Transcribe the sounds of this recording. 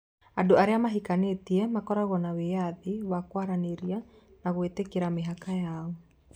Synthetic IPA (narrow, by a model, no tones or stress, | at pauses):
andoaɾeamaɦikanetiɛmakɔɾaɣɔnawejaðiwakwaɾaneɾianaɣwetekeɾameɦakajaɔ